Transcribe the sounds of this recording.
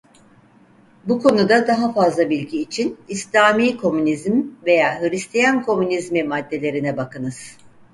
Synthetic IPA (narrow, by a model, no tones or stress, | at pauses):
bukʰo̞nud̪ad̪aɦafazlˠabilʲɟiːt͡ʃʰinislʲaːmiːkʰo̞mynizmve̞jaːɦɯɾist̪ʰijankʰo̞mynizmimad̪ːe̞lʲe̞ɾinɛbakʰɯnɯz̥